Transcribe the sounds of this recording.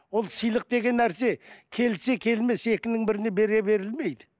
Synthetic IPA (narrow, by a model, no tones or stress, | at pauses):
wo̞lˠsijlˠəq̚d̪e̞ɡʲe̞nːæɾse̞kʲʰe̞lse̞kʲʰe̞lme̞se̞kʲɪnɪŋbɪɾɪnebe̞ɾe̞be̞ɾɪlme̞jd̪ɪ